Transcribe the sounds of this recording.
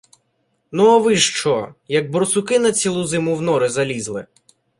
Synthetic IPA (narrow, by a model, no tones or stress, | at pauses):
nuɐʋɪʃt͡ʃɔjɐɡ̚bɾɔsʊkɪnɐt͡sʲilˠʊzɪmʊwnɔɾɪzɐlʲizlˠɪ